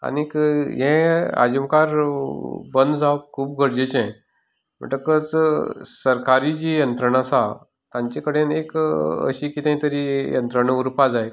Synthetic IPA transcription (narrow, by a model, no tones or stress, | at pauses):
a̰nikɦɛ̃a̰d͡ʑimkaɾ | bənd̪d͡zawkʰuːp̚ɡʱəɾd͡ʑet͡ɕẽ | m̤ə̰ɳʈəkət͡ssəɾkaɾid͡ʑijənt̪ɾəɳasa | t̪ãɲt͡ɕekəɽenekə̰ɕikit̪ãɦĩt̪əɾijə̰nt̪ɾəɳəuɾpad͡zaj